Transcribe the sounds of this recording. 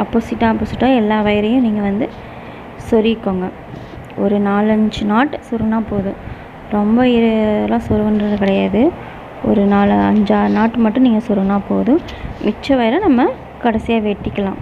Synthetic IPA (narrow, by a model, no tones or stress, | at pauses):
ɐpːoːsɪʈːaːɐpːoːsɪʈːaːɛlːaːʋɐjɐɾɐjʊ̃niːŋɡɐʋɐnd̪ɯ | sɔɾɪkːoːŋɡɐ | ɔɾɯnaːlɐɲd͡ʒɯnaːʈːsɔɾɐnaːpoːðɯ̃ | ɾɔmbɐɪɾlãːsɔɾʋɐndɾɐðɐkɪɽɐjaːðɯ | ɔ̰ɾɯnaːlɐɲd͡ʒaːɾnaːʈːɯmɐʈːʊ̃niːŋɡɐsɔɾɐnaːpoːðɯ̃mɪt͡ʃːɐʋɐjɪɾɐnɐmːɐ | kɐɽɐsɪjaːʋeːʈːɪkːɐlãː